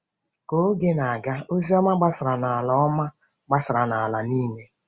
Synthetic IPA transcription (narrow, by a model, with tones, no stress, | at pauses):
ko˨˦ɡe˦na˨a˨ɡa˦o˦zi˦ɔ˦ma˦ɡ͡ba˦sɪ˨ɾa˨na˨a˨lɔ˨ɔ˦ma˦ | ɡ͡ba˦sɪ˨ɾa˨na˨a˨la˨niː˦me˦